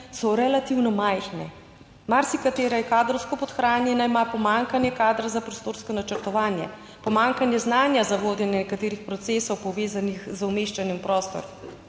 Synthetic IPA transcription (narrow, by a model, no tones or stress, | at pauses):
sɔɾɛlat̪iwnɔmajxnɛ | maɾsikat̪eːɾajɛkaːd̪ɾɔwskɔpɔt̪xɾaːnjɛnaimapɔmaŋkanjɛkaːd̪ɾazapɾɔst̪oːɾskɔnat͡ʃəɾt̪ɔʋaːnjɛ̰ | pɔmaːŋkanjɛznaːnjazaʋoːd̪jɛnjɛnɛkat̪eːɾixpɾɔt̪seːsɔwpɔʋeːzanixzumeːʃt͡ʃanjɛmpɾɔst̪ɔ̰ɾɔm